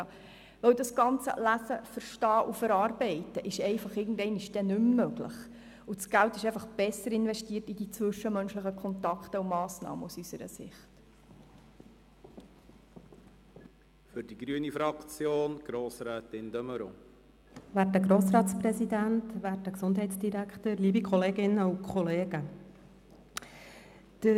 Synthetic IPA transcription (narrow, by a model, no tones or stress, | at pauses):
ʋɛwdɑsɡ̥ɑnt͡sə̰læsəfəɾʃtɑːʔufəɾɑːrbɛɪtəʔɪʃɛɪfɑχɪːɡən̩dɛɪnɪʃd̥ɛnʉmːøɡlə̰χ | ut͡sɡ̥æltɪʃɛɪfɑχb̥ɛsːəɾɪnʋɛʃtiːərtidit͡sʋɵʃəmœnʃləχəkʰɔnt̪ɑkχtəumɑːsnɑ̰ːmə̰usysəɾə̰sɪ̰χt | fʏɾd̥iɡɾyənifɾɑkt͡sjoːnɡ̥ɾoːsɾɛːt̪ɪnd̥̪œməɾo̰ | væːrtəɡɾoːsrɑːtsprɛsidæntʋæːrtəksʊndɦɛɪtsd̥iɾækχtəɾliːbikʰχɔleːɡɪnːəukʰχɔleːɡ̥ə | d̥ə